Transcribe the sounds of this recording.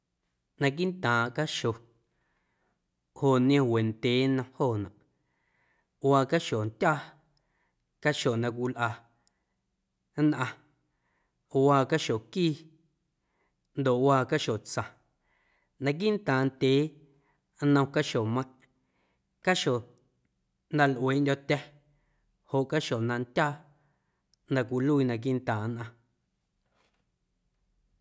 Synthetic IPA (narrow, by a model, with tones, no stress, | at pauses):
nã˧k̬i˦nt̪ãː˨ʔka˦ʃo˨ | ho˨ʔñ˦ẽ˧we˨ndʲeː˨˦nə̃˧hoː˦˨nã˨ʔ | waː˧ka˦ʃo˨ntʲaː˦ | ka˦ʃo˨nã˧k̬ʷi˧lʔa˧˨˦ | nʔã˧ | waː˧˨ka˦ʃo˨kiː˦˨ | nd̪o˨ʔwaː˧ka˦ʃo˨t͡sã˨ | nã˧k̬i˦n˦t̪ãː˨nt̪ʲeː˨˦ | nə̃˧w̃ka˦ʃo˨mə̃˧˦˨ʔ | ka˦ʃo˨ | nã˧lʔweː˨˦ʔndʲo˧t̪ʲɛ˦ | ho˨ʔka˦ʃo˨nã˧nt̪ʲaː˦ | nã˧kʷi˧luː˦i˧nã˧k̬i˦ʔn˦t̪ãː˨˦nʔã˧